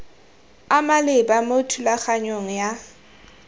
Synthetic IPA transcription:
amalɪbamotʰulak͡xaɲoŋ̩ja

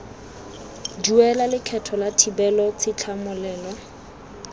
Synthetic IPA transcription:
d͡ʒuɛlalɪkʰɛtʰɔlatʰibɛlɔt͡sʰɪt͡ɬʰamʊlɛːlɔ

